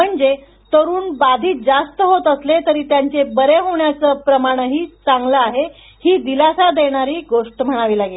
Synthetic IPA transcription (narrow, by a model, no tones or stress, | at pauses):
m̤əɳd͡ze | t̪əɾuːnbad̪ʱiːt̪̚d͡zast̪əɦot̪əslet̪əɾiːt̪jaɲt͡sebəɾeɦoɳjat͡səːpɾəmaɽ̃əɦiːt͡saŋɡləaɦe | hiːd̪ilasad̪eɽ̃aɾiːɡoʂʈəm̤əɽ̃aʋiːlaɡe